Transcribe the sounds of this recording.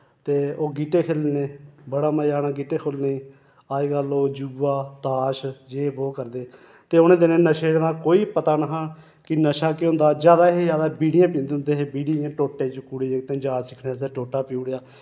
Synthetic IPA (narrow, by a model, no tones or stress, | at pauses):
t̪eːoːɡiːʈeːkʰeːlneːbəɽaːməjaːnaːɡiːʈeːkʰoːlneː | aːiɡəloːd͡ʒuːʋaːt̪aːʃd͡ʒeːboːkəɾd̪eː | t̪eːʊnẽːd̪enẽːnəʃeːɽd̪ãːkoːiːpət̪aːnəɦaː | kɪnəʃaːkeɦʊ̃nd̪aːd͡ʒjaːd̪aːɦezjaːd̪abiːɽɪjãːpĩːnd̪eːʊnd̪eːɦeːbiːɽiãːʈoːʈːeːt͡ʃkuːɽeẽːt̪ẽːd͡ʒaːsɪkʰneːseːʈoːʈaːpiuːɽejaː